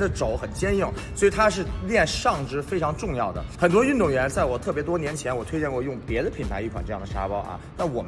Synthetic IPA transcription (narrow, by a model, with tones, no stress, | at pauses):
d̪ə˧ʈ͡ʂo˧˥ʊxə˨˩nt͡ɕjɛ˥nji˥˩ŋ | swɔ˧˥i˨˩t̪ʰa˥ʂ̬ɻ̩˥˧ljɛ˥˧nʂɑ˥˩ŋʈ͡ʂɻ̩˥fe˥ɪʈ͡ʂʰɑ˧˥ŋʈ͡ʂʊ˥˧ŋjɑ˥˩ʊd̪ə̰˩xə˨˩nt̪̬wɔ˥y˥˧nt̪ʊ˥˩ŋɥɛ˧˥nt͡sa˥˩ɪwɔ˨˩t̪ʰɤ˥˩p̬jɛ˧˥t̪̬wɔ˥njɛ˧˥nt͡ɕʰjɛ˧˥nwɔ˨˩t̪ʰwe˥ɪt͡ɕjɛ˥˧nkwɔ˥˧jʊ˥˩ŋpjɛ˧˥d̪ə˧pʰi˨˩nt̪ʰa˧˥i˥˩kʰwa˨˩nʈ͡ʂɤ˧ɑ˥˩d̪ə˩ʂa˧˥pɑ˥ʊʔɐ̰˧˩na˥˩wɔ˨˩m